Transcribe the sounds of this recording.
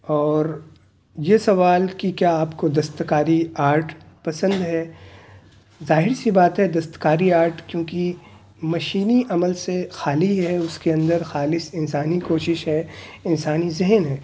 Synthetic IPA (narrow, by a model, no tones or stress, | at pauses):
ɔːɾ | jesɐʋaːlkikjaaːpkod̪ɐst̪kaːɾiaːɾʈ | pɐsə̃nd̪ɦɛː | zaːɦɪɾsibaːt̪ɦɛd̪ɐst̪kaːɾiaːɾʈkjõːki | mɐʃiːniʔɐməlsexaːliɦɛʊskeɐ̃nd̪əɾxaːlɪsɪnsaːnikoːʃɪʃɦɛɪnsaːnizɪɦənɦɛː